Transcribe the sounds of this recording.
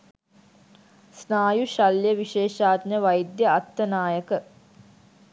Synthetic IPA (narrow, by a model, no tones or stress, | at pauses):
snaːjuʃalːjəʋiʃeːʃaːd̪ɲəʋajd̪jəat̪ːənaːjəkə